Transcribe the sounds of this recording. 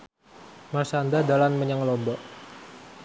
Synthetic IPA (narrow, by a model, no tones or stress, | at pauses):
marsandadalanməɲaŋlɔmbɔʔ